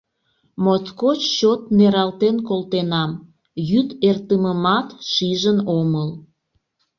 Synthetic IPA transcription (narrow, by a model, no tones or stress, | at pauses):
moskot͡ɕt͡ɕot̪neɾɑlt̪enkolt̪enɑm | jyt̪ert̪əməmɑt̪ʃiʒənoməl